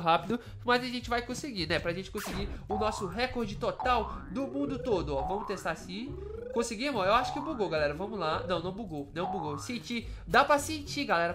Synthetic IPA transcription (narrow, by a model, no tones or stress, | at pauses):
ɦapid̪ʊ | mɐzɐʒẽnt͡ʃɪvajkõsɪɡinɛpɾɐʒẽnt͡ʃɪ̥kõsɪɡiʊnɔsʊɦɛkoɾd͡ʒɪt̪ot̪awd̪ʊmũd̪ʊt̪od̪ʊɔvɐ̃mʊt̪est̪aɾasĩ | kõsɪɡĩmɐ̃ewaʃʊ̥kɪʊ̃buɡowɡalɛɾɐvɐ̃mʊzlanɐ̃w̃nɐ̃w̃buɡownɐ̃w̃buɡowsẽt͡ʃid̪apɾɐsẽt͡ʃiɡalɛɾɐ